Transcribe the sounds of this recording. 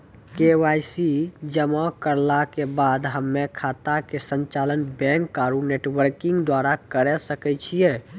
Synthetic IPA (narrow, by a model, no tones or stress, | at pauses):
keʋajsid͡ʒəmãkəɾlakebad̪ɦəmːekʰat̪akesəɲt͡ʃalənbɛ̃ŋkːaɾuneʈwəɾkĩŋɡd̪waɾakəɾɛsəkɛt͡ʃʰijɛ